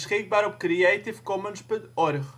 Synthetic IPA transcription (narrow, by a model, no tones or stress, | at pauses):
sχɪk̚baːɾɔpkɾiɛjtɪfkɔmənspøntɔrχ